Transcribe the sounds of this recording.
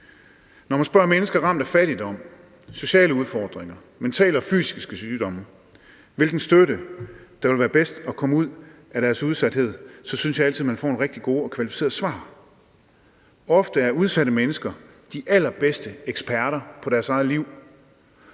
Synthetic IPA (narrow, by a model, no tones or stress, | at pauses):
nɒmænsb̥ɶɐmenəsɡ̥ɐʁɑ̈m̰d̥ɐfæɾ̥id̥ɒ̽m̰ | so̝ɕɛ̰ːləuð̞ˠfɒːd̥ʁeŋɐ | ment͡sʰɛ̰ːlɐɒ̽fy̰ːsiɡsɡ̥əsyːd̥ɒ̽m | ʋe̝lɡ̥n̩sd̥øɾəd̥ɑ̈ʋe̝lʋæːɐb̥esd̥ɒ̽kʰɒ̽muð̞̰ˠæɾ̥æɐsuð̞ˠsæd̥he̝ð̞̰ˠsɒ̽synəsjɑælt͡sʰið̩̰ˠmænfɒ̰ːenʁeɡ̥d̥iɡ̥o̝ːɒ̽kʰʋælifi̥se̝̰ːɐsʋɑ̰̈ː | ɒ̽fd̥əæɐuð̞ˠsæɾəmenəsɡ̥ɐ | d̥iʔæl̰ɐb̥esd̥əeɡ̥spʰæɐɾɐpʰɒ̽ɾ̥æɐsɑ̈ɪð̩ˠliʊ̰